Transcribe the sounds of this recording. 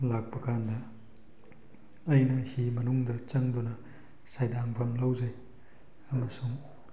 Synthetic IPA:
lak̚pɐkʰandɐ | ɐjnɐhimɐnuŋdɐt͡ʃɐŋdunɐ | sajdaŋbʱɐmlɐwzɐj | ɐmɐsuŋ

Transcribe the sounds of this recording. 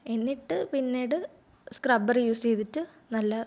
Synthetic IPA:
e̞nːiʈːɨpinːeːɽɨ | skrɐbɐrjuːst͡ɕejt̪itːɨ | nɐlːɐ

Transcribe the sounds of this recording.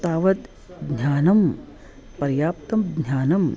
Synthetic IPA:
t̪aːʋɐt̪ | d̪nʲjaːnɐm | pɐɾjaːp̚t̪ɐmd̪njaːnɐm

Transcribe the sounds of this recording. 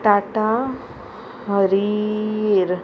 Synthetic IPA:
ʈaʈa | ɦəɾi | ɾ

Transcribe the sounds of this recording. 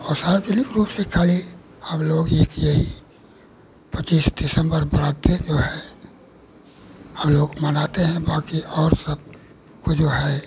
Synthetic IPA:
ɔsaːɾpilikɾuːpsekʰaːli | həmloːɡeːkjəɦi | pət͡ʃiːsd̪ɪsə̃mbəɾbəɾad̪eɾd͡ʒoːɦɛ | həmloːɡmənaːt̪eɦɛ̃baːkiɔːɾsəb̚ | kod͡ʒoɦɛ

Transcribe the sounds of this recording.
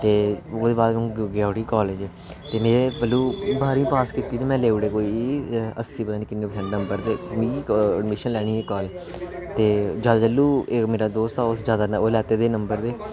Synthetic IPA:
t̪eːoːd̪eːbaːd̪mũɡaːʈiːkɔːleːd͡ʒɛː | t̪eːmeːɾebəlːuːbaːɾĩːpaːskiːt̪iːt̪eːmɛ̃ːleːʊɽeːkoːiːə̰siːpət̪aːnĩːkɪnːeːpəsɛ̃ːɳʈnəmbəɾd̪eːmĩːəɖmɪʃənlɛːɽ̃iːekːɔːle | t̪eːd͡ʒad̪d͡ʒəlːuːemeːɾaːd̪oːst̪aːosd͡ʒjaːd̪aːoːlɛːt̪eːd̪eːnəmbəɾd̪eː

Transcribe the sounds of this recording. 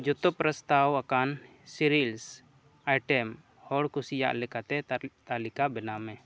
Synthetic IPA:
d͡ʒɔt̪ɔpɾəst̪awakan | siɾils | ajʈɛm | hɔɽkusija̰ʔlɛkat̪ɛt̪alikabɛnamɛ

